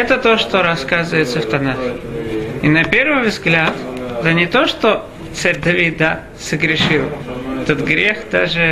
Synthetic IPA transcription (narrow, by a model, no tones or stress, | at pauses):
ɛt̪ət̪oʂt̪oɾɐskazɨvəjɪt̪səft̪ɐnaxʲɪinɐpʲe̞rvɨjvzɡlʲat̪t̪ənʲɪt̪o̞ʂt̪o | t̪saɾʲd̪ɐvʲit̪̚d̪a | səɡɾʲɪʂɨlˠɛt̪ət̪ɡɾʲexd̪a̰ʐɨ